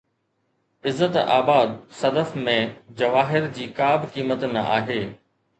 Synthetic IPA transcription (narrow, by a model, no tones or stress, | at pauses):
ɪzːət̪a̰ːbaːd̪sɐd̪əfmẽd͡ʑɐʋaːɦɪɾd͡ʑiːkaːbkiːmət̪nɐʔaːɦeː